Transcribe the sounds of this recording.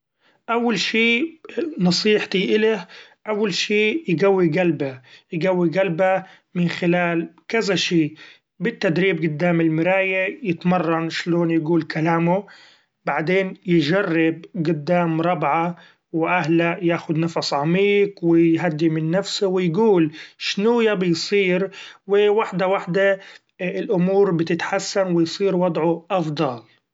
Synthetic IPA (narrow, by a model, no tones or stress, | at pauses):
ʔawːalʃiːnɑsˤiːħt̪iʔɪlahʔawːalʃiːjɡawːiɡalbajɪɡawːiɡalba | mɪnxɪlaːlkazaʃiː | bɪt̪ːad̪ɾiːb̚ɡʊd̪ːaːmɪlmɪɾaːjajɪt̪mɑrˤːɑnʃloːnjɡuːlkʰalaːmʊ | b̥aʕd̪eːnjɪʒarːɪb̚ɡʊd̪ːaːmɾˤɑbʕa | wʔahlajaːxʊd̪nɑfɑsˤʕamiːqwɪjɦad̪ːimɪnːafsʊwɪjɡuːlʃnuːjabɪjsˤiːɾwɪwaħd̪awaħd̪a | ɪlʔʊmuːɾbɪt̪ɪt̪ħasːanwɪjsˤiːɾwɑd̪ˤʕʊʔɑfd̪ˤɑl